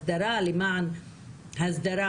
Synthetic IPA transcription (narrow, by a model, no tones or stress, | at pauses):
d̪ɐɾaːlimaʕn | hɐzd̪ɐɾa